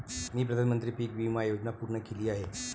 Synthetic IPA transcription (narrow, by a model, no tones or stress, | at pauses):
niːp̬ɾəd̪ʱanmənt̪ɾiːpiːk̚bimajod͡ʑnapuɾɳəkeliːaɦe